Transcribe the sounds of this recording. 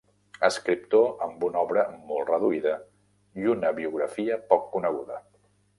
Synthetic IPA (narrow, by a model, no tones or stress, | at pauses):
əskɾip̚t̪oəmbunɔβɾəmɔlˠt̪rəðuiðə | iunəβiuɣɾəfiəpɔkːunəɣ̞uðə